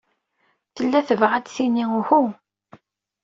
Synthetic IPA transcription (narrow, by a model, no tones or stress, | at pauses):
θəlːæθəvʁad̪θiniʊxu